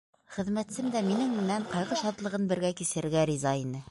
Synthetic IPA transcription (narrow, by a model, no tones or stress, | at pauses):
χɘ̆ðmæt̪sɘmd̪æminɘŋmɘ̆næɴqɑjʁɤʃɑt̪lˠɤ̆ʁɤnbɘ̆ɾɡækisɘ̆ɾɡæɾʲizɑinɘ